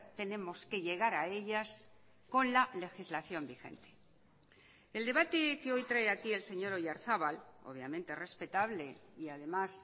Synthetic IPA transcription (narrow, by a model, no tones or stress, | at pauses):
t̪e̞nẽ̞mo̞ske̞ʎe̞ɣ̞aɾae̞ʎas | ko̞nlale̞xizlaθjo̞mbixe̞̰nt̪e̥ | eld̪e̞βat̪e̞keo̞jt̪ɾaeakie̞lse̞ɲo̞ɾoʝaɾθaβalo̞̰βjamẽnt̪ere̞spe̞t̪aβle̞iaðe̞mas